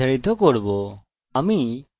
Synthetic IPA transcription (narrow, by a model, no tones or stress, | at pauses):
ɐɽit̪ʰokoːɽbo | ɐmĩ